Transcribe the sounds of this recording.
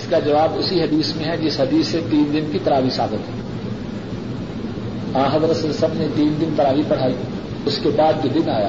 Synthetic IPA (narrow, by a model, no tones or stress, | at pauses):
skad͡ʒɐʋaːbʊsiɦɐd̪iːsmẽɦɛd͡ʒɪsɦɐd̪iːset̪iːnd̪ɪnkit̪ɐɾaːʋisaːbɪt̪ɦɛ | ãːɦɐzɾət̪sesɐbnet̪iːnd̪ɪnt̪ɐɾaːʋipɐɽ̤aːi | ʊskebaːd̪̚kid̪ɪnaːja̰ː